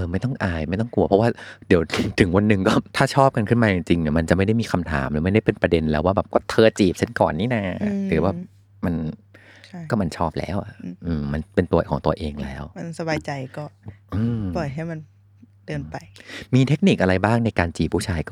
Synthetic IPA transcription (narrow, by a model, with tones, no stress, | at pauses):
ʔʔɤː˧ma˥˩jt̪ɔ˥˩ŋʔaː˧˩jma˥˩jt̪ɔ˥˩ŋku˧ɐpʰɔ˦˥waː˥˩di˨˩˦wt̪ʰɯ˩˦ŋwa˧nːɯ˨˩ŋkɔː˥˩t̪ʰaː˥˩t͡ɕʰɔː˥˩p̚ka˧nkʰɯ˥˩nmaː˧t͡ɕi˧ŋt͡ɕi˧ŋni˧˥˩ma˧nt͡ɕa˨˩ʔma˥˩jda˥˩jmiː˧˩kʰa˧mt̪ʰa̰ː˩˦mnː˨˦m˥˩jda˥˩jpe˧npɾa˧de˧nlɛː˦˥waː˥˩bɛː˨˩p̚kɔː˥˩t̪ʰɤː˧t͡ɕiː˨˩p̚t͡ɕʰa˥˩nkɔː˨˩nːiː˥˩na˧˩ɾɯː˩˦waː˥˩ | ma˧nʰ˥ | kɔː˥˩ma˧nt͡ɕʰɔː˥˩p̚lɛ̰ː˦˥˩wʔa̰˨˩ʔɯː˧ma˧npe˧nt̪u˧ɐkʰɔː˩˦ŋt̪u˧ɐʔeː˧ŋlɛː˦˥˩wma˧nsa˧baː˧jt͡ɕa˧jkɔː˥˩ʔɯː˧mpɔː˨˩jɦa˥˩jma˧n | d̥ɤː˧npa˧jmiː˧t̪ʰe˦˥k̚ni˨˩k̚ʔa˧ɾa˧jbaː˥˩ŋna˧jkaː˧nt͡ɕiː˨˩p̚ʰːuː˥˩t͡ɕʰaː˧jkː